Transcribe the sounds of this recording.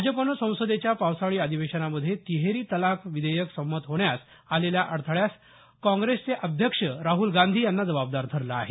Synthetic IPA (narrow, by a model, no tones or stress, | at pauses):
bʱad͡zəpənəsə̃w̃sod̪et͡ɕjapawsaɭiːad̪ʱiʋeɕənaməd̪ʱːjet̪iɦeɾiːt̪əlakʰʋid̪əjəksəmːət̪ɦoɳjas | aleljaʔəɽt̪ʰəɭjas | kãŋɡɾest͡seʔəd̪ʱjəkʂəɾaɦulɡand̪ʱiːjanːad͡zəʋab̚d̪aɾt̪ʰəɾlaːɦe